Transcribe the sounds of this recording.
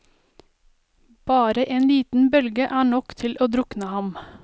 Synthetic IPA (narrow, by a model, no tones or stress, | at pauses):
b̥ɑːɾəʔeːnliːt̪n̩bœlɡəʔæːɳɔkt̪ʰɪlʔoːd̪ɾʊknəhɑm